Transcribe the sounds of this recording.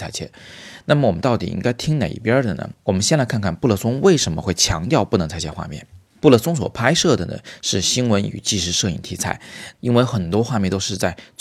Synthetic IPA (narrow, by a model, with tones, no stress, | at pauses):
a˥˩ɪt͡ɕʰjɛ̰˥˩na˥˩mə˩wɔ˨˩mə˦nt̪ɑ˥˩ʊt̪i˨˩ḭ˥ŋka˥ɪt̪ʰi˥ŋne˨˩ḭ˥˩pjə˥d̪ə˨nə̰˩wɔ˨˩mə˦nɕjɛ˥˧nla˥ɪkʰa˥˧nkʰa˥˩npu˥˧lə˥˩sʊ˥ŋwe˥˩ɪʂə˧˥nmə˧xwe˥˩ɪt͡ɕʰjɑ̰˧˥ŋt̪jɑ˥˧ʊpu˥˩n˧˥ŋt͡sʰa˥˧ɪɛ˥˩nxwa̰˥˧mjɛ̰˥˩n | pu˥˩lə˥˩sʊ˥ŋswɔ̰˨˩pʰa˥ɪʂɤ˥˩d̪ə˩nə̰˩ʂɻ̩˥˩ɕi˥nwə˧˥ny̰˨˩t͡ɕi˥˧ʂɻ̩˥ʂɤ˥˧ḭ˥˩ŋt̪ʰi˧˥t͡sʰa̰˥˩ɪi˥nwe˥˧˩ɪxə˨˩nt̪wɔ˥xwa˥˧mjɛ˥˩nt̪o˥ʊʂɻ̩˥˧t͡sa˥˩ɪt͡s